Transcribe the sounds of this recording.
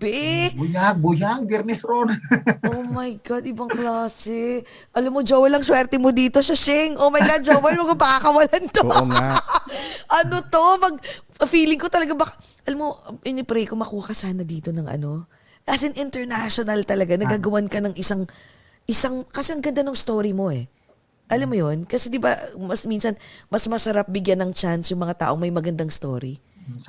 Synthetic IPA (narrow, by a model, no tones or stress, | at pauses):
bɛbʊjak̚bʊjak̚d̪ɪɾmɛsɾonowmɐjɡad̪ɪbɐŋklaːsɛ | ʔɐlɐmːod͡ʒowɐlɐŋswɛːɾt̪ɛmod̪iːt̪oʃɐʃɛŋʔomɐjɡad͡ʒowɛlmokomaakɐwɐlɐnt̪o | ʔɐnot̪o̞pɐɡ̚fiːlɪŋkot̪ɐlɐɡabɐka | ʔɐlamoʔɪnɪpɾɛjkomɐkuːhɐkɐsaːnɐd̪iːt̪o̞nɐŋʔɐ̰no̞ | kasɪnʔɪnt̪ɛɹnaʃonɐlt̪ɐlɐɡanɐɡaːɡɐwankɐnɐŋʔɪsaŋ | ʔɪsaŋkɐsɛɐŋɡɐnd̪anoŋst̪o̞ːɾimo̞ʔɛ | ʔɐlamːojonkɐsɛd̪ɪba̰mɐsminsɐnmɐsmɐsɐɾap̚bɪɡjanɐŋt͡ʃansjʊŋmɐŋat̪a̰ːʔoŋmɐjmɐɡɐnd̪aŋst̪o̰ːɾḭ